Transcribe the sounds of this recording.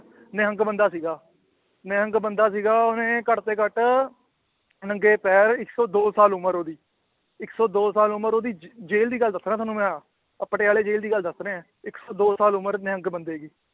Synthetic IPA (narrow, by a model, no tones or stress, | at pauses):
nɪɦə̃ŋɡbənd̪aːsiːɡaː | neɦə̃ŋɡbənd̪aːsiːɡaːonẽːkəʈt̪eːkəʈ | nəŋɡeːpɛːɾɪksɔːd̪oːsaːlʊməɾoːd̪iː | ɪksɔːd̪oːsaːlʊməɾoːd̪iːd͡ʒeːld̪iːɡəld̪əsɾãːt̪ʰaːnũːmɛ̃ː | əpəʈeːaːleːd͡ʒeːld̪iːɡəld̪əsɾẽːɛ̃ː | ɪksɔːd̪oːsaːlʊməɾneɦə̃ŋɡbənd̪eːɡiː